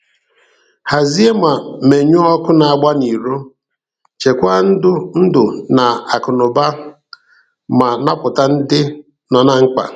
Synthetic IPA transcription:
ha˨zi˦e˦ma˨me˨ɲʊ˦ɔ˦kʊ˦na˨a˨ɡ͡ba˦ni˨ɾo˦ | t͡ʃe˨kʷa˦n̩˦dʊ˦n̩˦dʊ˨na˨a˨kʊ˨nʊ˨ba˦ | ma˨na˦pʊ˨ta˦n̩˦dɪ˦ | nɔ˨na˨ŋ̩˦k͡pa̰˨

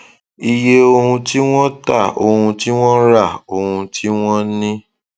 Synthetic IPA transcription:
i˧je˦o˧hũ˧ti˦w̃ɔ̃˦ta˦˨o˧hũ˧ti˦w̃ɔ̃˦ɾa˦˨o˧hũ˧tʰi˦w̃ɔ̃˦nĩ˦

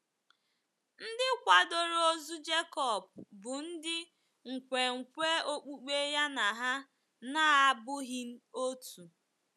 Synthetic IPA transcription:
n̩˦dɪ˦kʷa˨do˦ɾo˦zu˦d͡ʒe˦kɔ˨b̚bʊ˨n̩˦dɪ˦ | ŋ̩˨kʷe˨ŋ̩˨kʷe˦o˦k͡pu˦k͡pe˦ja˦na˨ɦa˦ | na˦˨a˦bʊ˦ɦɪ˦n̩˦o˦tu˨

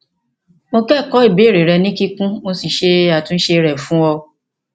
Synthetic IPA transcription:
mo˧kɛ˦˨kɔ˨˦i˦˨be˨˦˨ɾe˨ɾɛ˧nĩ˦ki˦kũ˦mo˧si˨ʃe˧a˨tũ˦n̩˦ʃe˧ɾɛ˨fũ˨˦wɔ˧

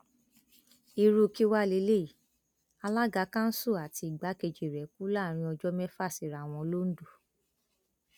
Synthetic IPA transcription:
i˧ɾu˧ki˦wa˦˨le˧˦le˦i˨ | a˧la˦ɡa˨˧˦kã˦n̩˦su˦˨a˨ti˧i˨ɡ͡ba˨˦ke˧˨d͡ʒe˨ɾɛ˨˦ku˦la˦˨ɾ̃ĩ˧ɔ˧d͡ʒɔ˦mɛ˦fa˦˨si˨ɾa˨w̃ɔ̃˧lo˦n̩˦du˦˨

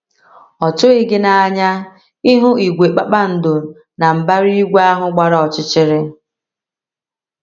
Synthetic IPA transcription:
ɔ˨tʊ˦ɪ˦ɡɪ˦na˨a˨ɲa˦ | i˦ɦʊ˦i˨ɡʷe˨k͡pa˦k͡pa˦n̩˨dʊ˨ | na˨m̩˨ba˦ɾi˦i˦ɡʷa˦ɦʊ˦ɡ͡ba˨ɾa˨ɔ˨t͡ʃɪ˦t͡ʃɪ˦ɾɪ˦

